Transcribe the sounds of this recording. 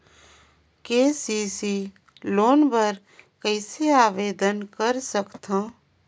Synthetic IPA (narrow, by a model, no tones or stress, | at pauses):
keːsiːsi | loːnbəɾ | kəɪseaːʋeːd̪ənkəɾsəkt̪ãː